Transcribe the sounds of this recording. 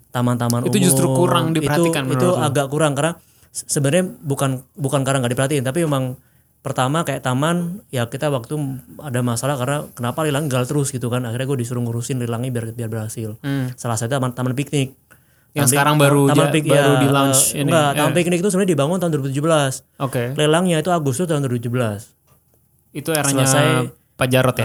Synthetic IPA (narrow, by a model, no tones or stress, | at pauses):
t̪amant̪amantuud͡ʒust̪ɾukuɾaŋdiiəhauanit̪uaɡaʔkuɾaŋkarna | səbənərɲabukanbukankaɾaŋɡaʔdipərɦat̪ikant̪apimemaŋ | pərt̪amakajaʔt̪amanjakit̪awak̚t̪uadamasalahkarnakənapalilaŋiɡalt̪əɾʊsɡit̪ukanaxirɲaɡuadisuɾʊŋɾusɪnlilaŋibiarbiarbərɦasɪlsəlasajt̪umant̪amanpik̚nɪk̚ | t̪asəaɾaŋbaɾuamanpikjbjaɾudilaɲt͡ʃinɡat̪amanpik̚nɪk̚it̪usəmɾɲadibaŋʊnt̪aɦund̪uɾibut̪ud͡ʒubəlas | okelelaŋɲait̪uaɡʊst̪ʊst̪aɦund̪wɔɾitud͡ʒubəlas | it̪ueɾasələasaj | pad͡ʒaɾɔt̪ja